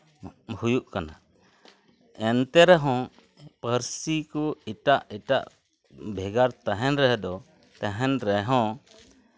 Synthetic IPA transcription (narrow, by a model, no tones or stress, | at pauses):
hujuʔkana̰ | ɛnt̪ɛɾɛɦɔ̃ | pəɾsikuiʈaʔiʈa̰ʔ | bʱɛɡaɾt̪aɦɛnɾɛɦd̪ɔ | t̪aɦɛnɾɛɦɔ̃